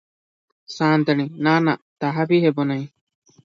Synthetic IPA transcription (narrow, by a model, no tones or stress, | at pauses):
saːnd̪ɐninaːna̰t̪ɐɦɐbiɦebonɐi